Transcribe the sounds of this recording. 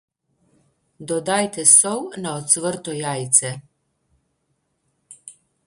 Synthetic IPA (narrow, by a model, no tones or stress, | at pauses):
d̪ɔd̪ajt̪ɛsɔwnaɔt̪sʋəɾt̪ɔjaːjt̪sɛ